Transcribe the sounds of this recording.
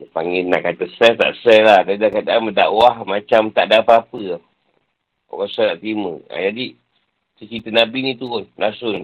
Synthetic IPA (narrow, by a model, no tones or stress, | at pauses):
jəpaŋɪnːa̰ʔkat̪əsɛt̪a̰ʔsɛlahd̪adakadaməda̰ʔwahmat͡ʃamt̪aʔdapaapə | o̰kasanaʔt̪imə̰a̰d͡ʒadi | sət͡ʃit̪ənabinit̪uʊnlasʊn